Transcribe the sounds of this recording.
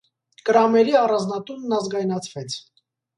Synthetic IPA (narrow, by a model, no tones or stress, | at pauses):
kəɾɑmɛɾiɑrɑnd͡znɑt̪unːɑzɡɑjnɑt͡sʰvɛt͡sʰ